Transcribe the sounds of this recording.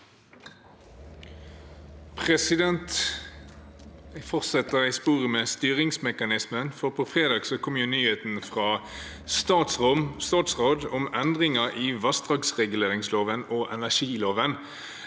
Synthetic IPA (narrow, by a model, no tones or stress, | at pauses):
pʰʁɛsɪd̪ɛnt̪ | fɔʁtsɛt̪əʁɪspuːʁəmeːst̪yːʁɪŋsmɛkɑnɪsmənfɔʁpʰɔːfʁeːd̪ɑːɡsɔkʰɔmjʉnyːheːt̪n̩fʁɑː | st̪ɑːt̪sʁɔmst̪ɑːt̪sʁoːd̪ʊmɛnd̪ʁɪŋəʔiːʋɑst̪ʁɑksʁɛɡʉleːʁɪŋsloːʋənoːʔɛnæʂiːloːʋən